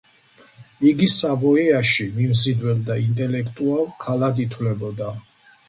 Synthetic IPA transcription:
iɡisavɔɛaʃimimzid̪wɛld̪aint̪ʼɛlɛkʰt̪ʼualˠkʰalakit̪ʰwlɛbɔd̪a

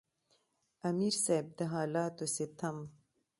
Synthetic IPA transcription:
ɐmiːɾsajb̚d̪ɐɦaːlaːt̪oset̪ʰɐm

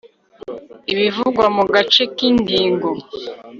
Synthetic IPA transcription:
iβivuɡwamuɡat͡ʃekindiːŋɡo

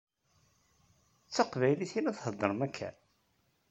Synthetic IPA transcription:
t͡sːəqvæjliθinæθhəd̪ˤːəɾmækʰːæ̰

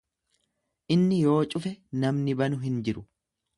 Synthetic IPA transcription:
ʔɪnːɪjo̞ːt͡ʃʼʊfɛnɐmnɪbɐnʊɦɪnd͡ʒɪɾʊ

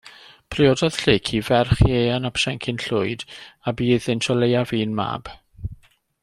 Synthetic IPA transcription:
pʰrɪɔdɔð̥ɬɪːkʰivɛrχjjeːanapʰsɛŋkʰɪnɬʊɨdabiːðɪntʰɔlejaviːnma̰ːb̥

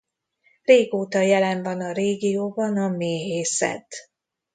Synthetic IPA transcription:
reːɡoːt̪ɒjɛlɛɱvɒnɒɾeːɡijoːbɒnɒmeːɦeːsɛ̰t̪

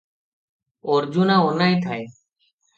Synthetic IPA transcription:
oːɾd͡ʒuːnãːonaːĩːt̪ʰaːe

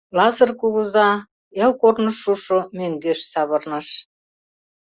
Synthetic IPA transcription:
lɑzɤ̆rkuɣuzɑ | elkornɤ̆ʃuʃomøŋɡøʃsɑβɤ̆rnɤ̆ʃ

